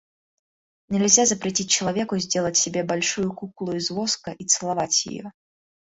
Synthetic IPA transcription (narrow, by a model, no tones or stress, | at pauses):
nʲɛlʲzʲazɐpɾʲɛt͡sʲit͡s̚ʲt͡ʃɐlˠavʲɛkʊzʲdʲelˠət͡sʲsʲɛbʲɛbalʲʂujukuklˠʊizvɔskɐʔit̪sɨlˠavat͡sʲjɪ̰jɔ̰